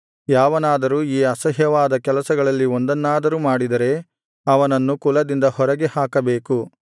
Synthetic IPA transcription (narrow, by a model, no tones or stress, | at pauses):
jaːʋɐnaːd̪ɐɾuːiːɐsɐɦjɐʋaːd̪ɐkɛlɐsɐɡɐɭɐlːiond̪ɐnːaːd̪ɐɾuːmaːɽid̪ɐɾe̞ | ɐʋɐnɐnːukulɐd̪ind̪ɐhɔɾɐɡehaːkɐbe̞ːku